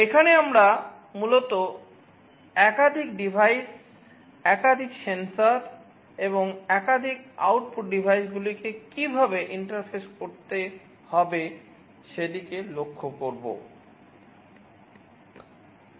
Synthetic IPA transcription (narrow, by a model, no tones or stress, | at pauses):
ekʰaneamɾa | mulot̪o | ɛkad̪ʱikɖibʱajs | ɛkad̪ʱiksensaɾ | eboŋɛkad̪ʱika̰wʈpuʈ̚ɖibʱajsɡulikekibʱabeʔiɳʈaɾfeskoɾt̪e | hɔbe | ʃed̪ikelokʰːokoɾbo̰